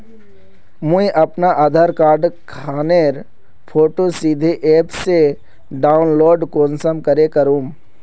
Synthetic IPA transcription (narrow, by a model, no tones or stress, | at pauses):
mũiʔɐpnaʔaːd̪ʱaːɾkaːɾɖkʰaːneːɾ | pʰoːʈosid̪ʱeʔeːpse | ɖaːʊnloːɖkoːnsəmkəɾekəɾũːm